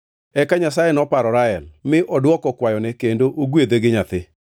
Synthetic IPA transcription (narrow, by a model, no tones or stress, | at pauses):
ɛkaɲas̬ajɛnɔpaɾɔɾaɛlmɪʔɔdwɔkɔkwajɔnɛkendoʔoɡwed̪eɡɪɲat̪ɪ